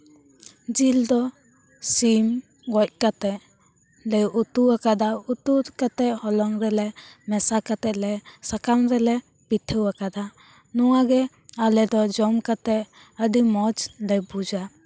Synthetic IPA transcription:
d͡ʒild̪ɔ | sim | ɡɔc̚kat̪ɛʔ | lɛjut̪uwakad̪aut̪uɾkat̪ɛʔhɔlɔŋɾɛlɛmɛsakat̪ɛʔlɛsakamɾɛlɛ | pit̪ʰːəwakad̪a | nɔwaɡɛ | alɛd̪ɔd͡ʒɔmkat̪ɛʔ | əɖimɔd͡ʒlɛjbud͡ʒa

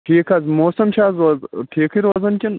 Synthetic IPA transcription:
ʈʰiːkʰɐzmoːsɐmt͡ʃʰaːzoːzʈʰiːkʰiɾoːzɐnkʲin

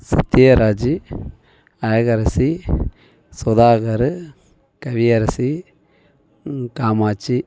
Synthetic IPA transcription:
sɐt̪jeːɾaːd͡ʒi | ɐjɐɡɐɾɐsi | swɐd̪aːɣɐɾɨ | kɐʋijɐɾɐsi | kaːmaːt͡ʃːi

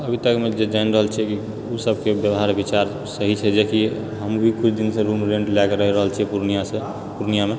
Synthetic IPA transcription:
əbʱit̪əkmed͡ʒed͡ʒanɾəɦəlt͡ʃʰɛki | usəbʱkebjəbɦaɾbit͡ʃaɾ | səɦit͡ʃʰɛd͡ʒeki | ɦəmbʱikut͡ʃʰd̪insə̃ɾumɾẽɳʈlakeɾəɦiɾəɦəlt͡ʃʰiɛpuɾnijasə̃ | puɾnijame

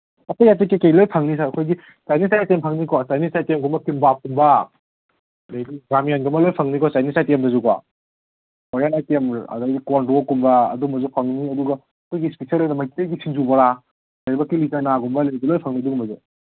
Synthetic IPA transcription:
ɐtejatikːekejlojpʰaŋnis̬aɐkʰojɡi | t͡ʃajnisajtempʰaŋnikɔt͡ʃajnisajtemɡumbɐkimbap̚kumba | lejɡiɡɾamijanɡumɐlojpʰaŋnikɔt͡ʃajnisajtemdɐzuka̰ | ɔɾjanajtemɐ̰daɡikɔnɔkumbɐɐ̰dumɐzupʰaŋniɐduɡa | ɐkʰojɡispisaɾlojnɐmajtijɡisʰinzubaɾa | lajbɐkːilizanaɡumbaleɡilojpʰaŋniduɡumbɐzu

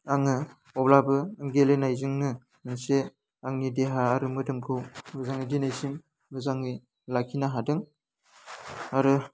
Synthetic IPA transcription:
aŋɯ | ɔblabɯɯŋɡelenajzɯŋnɯ | ɯŋse | aŋnideɦaːɾɯmɯdɯmkʰɯwɡɯzaŋidinajzim | ɡɯzaŋi | lakʰinaɦadɯŋ | aɾɯ

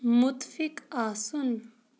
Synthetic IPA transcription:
mʊt̪fikaːsun

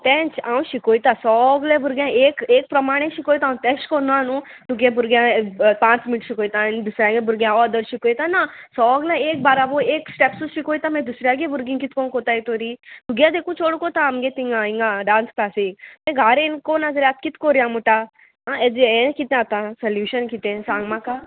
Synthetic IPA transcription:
t̪ɛːnt͡ʃʰaːũʃikoːit̪aːsɔːɡlebuɾɡʲjãːeːkeːk̚pɾɐmaːɽ̃ẽʃikoːjt̪aːũt̪ɛːʃkonãːnũt̪uɡẽbuɾɡjãpãːt͡ʃmɪnɪʈʃikoːit̪ãnd̪usɾjãːɡẽbuɾɡjãɔd̪əɾʃikoːjt̪ãnasɔːɡlaeːk̚baːɾaboeːksʈepsuʃikoːit̪ãmẽd̪usɾijaɡebuɾɡĩŋkit̪kõnkoːt̪aːit̪oːɾit̪uɡjãd̪eːkũt͡ʃoːɽukot̪ãɐmɡet̪iŋɡãĩŋɡãɖãːnsklaːsimẽɡʱaːɾẽnkoːnazɾjaːt̪̚kit̪koɾijãmuʈa | aed͡ʒẽkit̪ẽat̪ãsɐljuːʃənkit̪ẽsãːŋɡmãka

